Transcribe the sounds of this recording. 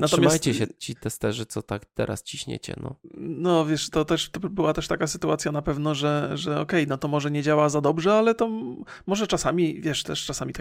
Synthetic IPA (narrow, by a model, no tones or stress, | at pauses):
natʂɔmʲjamasj̪t͡ɕɛɕɛt͡ɕit̪ɛst̪ɛʐɘt̪sɔt̪akt̪ɛ̰ɾa̰st͡ɕiɕɲɛ̰t͡ɕɛ̰nɔ̰nɔvʲjɛʂt̪ɔt̪ɛʂt̪ɔbɘwat̪ɛʂt̪akasɘt̪uat̪sʲjanapɛvnɔʐɛʐɛɔkɛjnɔt̪ɔmɔʐɛɲɛd͡ʑawazad̪ɔbʐɛalɛt̪ɔ | mɔʐɛt͡ʂasamʲivʲjɛʂt̪ɛʂʈ͡ʂasamʲit̪